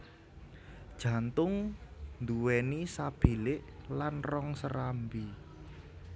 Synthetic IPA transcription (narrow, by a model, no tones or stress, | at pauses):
d̥ʒ̥ä̤nt̪ʊŋnd̪uwɛnisab̥i̤lɪʔlanrɔŋsəɾambi